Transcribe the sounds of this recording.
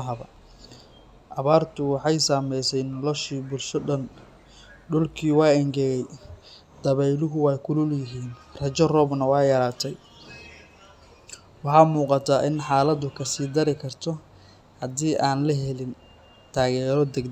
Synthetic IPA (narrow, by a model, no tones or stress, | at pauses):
ɦɐβɐ | ʔɐβaːrt̪ʰʊwɑħɑjsaːmɛjsɛjnɔlɔʃiːbʊlʃɔɗɐn | ɖʊlkʰiːwɑːɛŋɡɛjɛj | d̪̥ɐβɛjlʊɦʊwɑjkʰʊlʊljɪɦiːn | rɐt͡ʃɐrɔːbnɐwɑːjɐɾaːt̪ʰɛj | wɑħɑːmuːqɑt̪ʰaːʔɪnħaːlɐd̪ʊkʰɐsiːd̪ɐɾɪkʰɐrt̪ʰɔ | hɐd̪iːʔaːnlɐɦɛlɪn | t̪ʰaːɣɛːɾɔd̪ɛɡd̪